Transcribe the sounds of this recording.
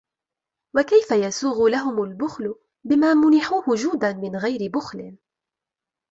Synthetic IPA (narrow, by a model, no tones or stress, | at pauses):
wakajfajasuːɣʊlaɦʊmalbʊxlʊ | bɪmaːmʊnɪħuːhʊd͡ʒuːd̪anmɪnɣajɾɪbʊxlɪ